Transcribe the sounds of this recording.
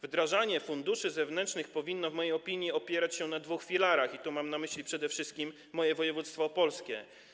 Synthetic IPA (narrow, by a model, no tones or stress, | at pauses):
vd̪ɾaʐaɲɛfund̪uʂɘzɛvnɛntʂnɘxpɔvʲinːɔvmɔjejɔpʲiɲjiɔpʲjɛɾat͡ɕɕɛnad̪vuxfʲilaɾaxit̪umamnamɘɕlʲipʂɛd̪ɛfʂɘst̪̚kʲimːɔjɛvɔjɛvut̪st̪fɔpɔlskʲɛ̰